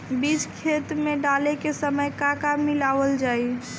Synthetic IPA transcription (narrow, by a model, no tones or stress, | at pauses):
bid͡ʒkʰet̪meɖalekesəməjkakamilaʋəld͡ʒaːi